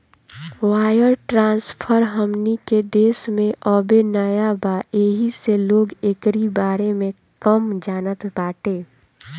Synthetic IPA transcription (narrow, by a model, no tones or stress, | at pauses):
waːjəɾʈɾãːnspʰəɾɦəmniked̪eːsmẽʔɔːbenəjabaeːɦiseloːɡekɾibaːɾemẽ | kəmd͡ʒaːnət̪baːʈeː